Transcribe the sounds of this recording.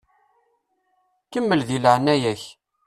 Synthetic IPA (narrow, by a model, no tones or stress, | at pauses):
kəmːəlðiləʕənːæjæç